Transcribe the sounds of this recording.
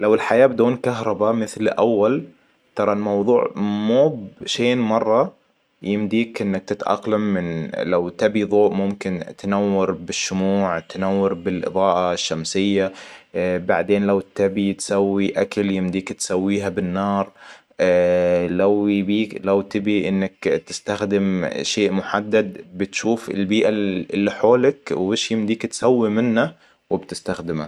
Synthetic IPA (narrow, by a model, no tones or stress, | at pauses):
lawɪlħajaːbɪd̪uːnkaɦɾˤɑbamɪθlʔawːal | t̪ɑɾˤɑlmɑwðˤuːʕmuːbʃeːnmɑrˤːɑ | jɪmd̪iːkʔɪnːak̚t̪ɪt̪ʔɑ̰qlamːɪnlawt̪ɪbiðˤoːʔmʊmkɪnt̪nawːɑɾbɪʃːʊmuːʕt̪anawːɑɾbɪlʔɨ̰ðˤɑːʔaʃːamsɪjːa | ba̰ʕd̪eːnlawt̪abit̪sawːiʔakaljɪmd̪iːkt̪sawːiːɦabɪnːɑːɾˤ | lawjbiːlawt̪ɪbiʔɪnːakt̪ɪst̪axd̪ɪmʃeːʔmʊħad̪ːad̪̚bɪt̪ʃuːfɪ̰lbiːʔaɪlːiħoːlakweːʃjɪmd̪iːkt̪sawːimɪnːa | wɪbt̪ɪst̪axd̪ɪma̰